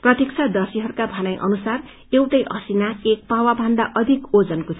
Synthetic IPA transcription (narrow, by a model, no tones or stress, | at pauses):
prʌt̪jek̚t͡sʰad̪ʌsiɦʌɾukabʱʌnajʔʌ̰nusar | ewʈʌjʔʌ̰sinaek̚pawabʱʌnd̪aʔʌd̪ʱikod͡zʌnkot̪ʰ